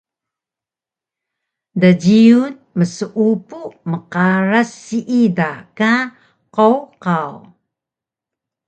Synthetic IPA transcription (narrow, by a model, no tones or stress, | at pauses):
daɟiun | məsəʔupuməqaɾasːiʔidaka | qowqaw